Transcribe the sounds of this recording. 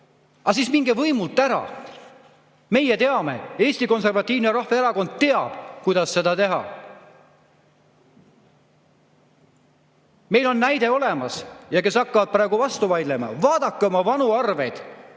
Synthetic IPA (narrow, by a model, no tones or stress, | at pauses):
ɑsiːsmiŋɡ̥evɤjmult̪ːˑæɾɑ̰ | me̞jet̪e̞ɑme̞̰e̞ːsʲt̪iko̞nse̞rvɑt̪ʲˑːiːvneɾɑhvɑeɾɑko̞nd̪̥̚t̪e̞ɑb̥kujd̪̥ɑsːe̞d̪̥ɑt̪e̞ɦɑ̰ | me̞jlo̞nːæjd̪e̞o̞le̞mɑsjɑke̞sɑkːɑvɑd̪̚prɾɑˑeɡuvɑst̪uvɑjd̪le̞mɑ̰vɑːd̪̥ɑkːeomɑvɑnuɑrve̞jd̪̥